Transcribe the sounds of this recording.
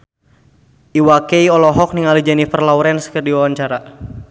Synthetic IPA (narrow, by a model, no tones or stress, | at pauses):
ʔiwakejɔlɔɦɔk̚niŋalid͡ʒanifərlauɾɛnsə̥kərdiwawaɲt͡ʃaɾa